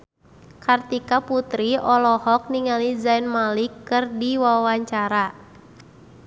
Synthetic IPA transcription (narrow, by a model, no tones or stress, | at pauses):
kart̪ikaput̪ɾiɔlɔhɔk̚niŋalid͡ʒainmalikːɨrdiwawaɲt͡ʃaɾa